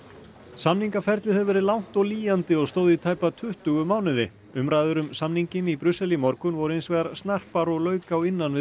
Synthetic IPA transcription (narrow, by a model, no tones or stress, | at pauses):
samniŋkafɛɾt̪lɪθɛvɛːɾɪlawŋ̥t̪ɔɣliːjant̪ɪɔɣst̪oːwðit̪ʰaːjpat̪ʰʏht̪ʏɣʏmaːwnɪðɪ̰ | ʏmɾajðʏɾʏmsamniɲcɪnipɾʏsːɛlimɔɾkʏnvɔɾʏejnsvɛːɣaɾst̪nar̥paɾɔɣlœːɥkawɪnːanvɪ